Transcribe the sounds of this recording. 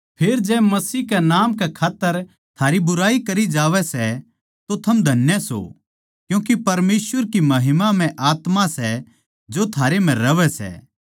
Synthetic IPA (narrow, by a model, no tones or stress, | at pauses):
pʰeːɾd͡ʒɛːmɐsiːkɛnaːmkɛkʰaːt̪ːəɾ | t̪ʰaːɾibʊɾaːikɐɾid͡ʒaːʋɛsɛ | t̪ot̪ʰɐmd̪ʱɐnjəso̰ | kjũːk̬ipɐɾmeːsʋəɾkimɐɦɪmam̤ɛ̃ʔaːt̪masɛ | d͡ʒot̪ʰaːɾem̤ɛ̃ɾɐʋɛsɛ̰ː